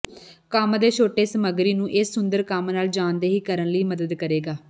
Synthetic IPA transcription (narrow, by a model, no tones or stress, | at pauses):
kəmd̪eːt͡ʃʰoːʈeːsəməɡɾiːnũːʔɪsːʊnd̪əɾkəmnaːld͡ʒaːnd̪eːɦiːkəɾənləiːməd̪əd̪kəɾeːɡaː